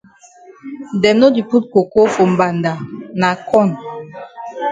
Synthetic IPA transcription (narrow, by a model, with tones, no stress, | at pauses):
dɛ˨mno˦di˨pu˦t̚ko˨ko˦fɔ̃˨m˨ba˨nda˨na˨kʰɔ˦˨n